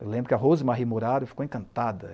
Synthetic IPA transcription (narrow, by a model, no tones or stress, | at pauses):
ewlẽbɾʊkɪɐɦozɪmaɦimoɾaɾʊfi̥kowẽkɐ̃nt̪ad̪ɐ